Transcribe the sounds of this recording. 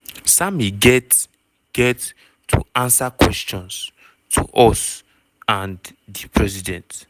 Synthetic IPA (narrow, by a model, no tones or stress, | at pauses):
samiɡɛt | ɡ̥ɛtʰː | ṵãnsakwɛst͡ʃɔ̃ns | tʰṵʔɔs | ãndipʰɹɛsidɛ̃nt